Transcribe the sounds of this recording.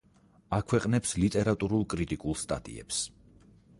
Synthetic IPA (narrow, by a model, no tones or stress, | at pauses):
akʰwɛqʼnɛpslit̪ʼɛɾat̪ʼuɾulˠkʼɾit̪ʼikʼulˠst̪ʼa̰t̪ʼḭɛ̰ps